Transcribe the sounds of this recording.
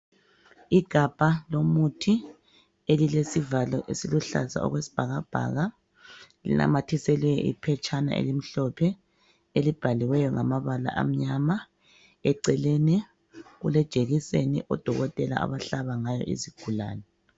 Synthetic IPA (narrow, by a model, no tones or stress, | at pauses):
iɡ̥ʱab̥ʱalomutʰi | elilesivalɔʔesiluɬa̰za̰ɔ̰ɣwesi̥b̥ʱaɣab̥ʱa̰ɣa | lḭna̰matʰisɛlwɛjɔʔḭpʰɛt͡ʃʰʼana̰ʔḛlim̩ɬɔpʰɛ | elib̥ʱaliwɛjɔŋamaβala̰ʔa̰m̩ɲama | ɛǀɛlɛnɛ | ɣulɛd̥ʒ̥ʱeɣisḛnḭʔɔd̥ʱɔɣɔtʼɛla̰a̰βaɬaβaŋajɔ̰ʔḭziɡ̥ʱula̰ːnɛ